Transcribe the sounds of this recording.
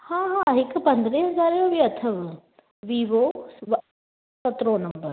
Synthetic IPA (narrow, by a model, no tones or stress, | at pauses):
hãːɦãɦɪkpɐ̃nd̪ɾeɦɐzaːɾjobiɐt̪ʰəʋ | ʋiːʋoʋ | sɐt̪ɾõnɐ̃mbəɾ